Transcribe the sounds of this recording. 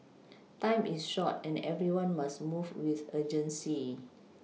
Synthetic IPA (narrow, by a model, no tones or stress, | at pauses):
tãɪ̃misʃɔtɛ̃nɛvɹiwãnmasmuvwiθəd͡ʒə̃nsi